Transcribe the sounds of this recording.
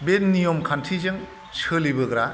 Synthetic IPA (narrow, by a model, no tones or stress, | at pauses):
betnijɔmkʰantʰizɯŋ | sʰɯlibɯɡɾa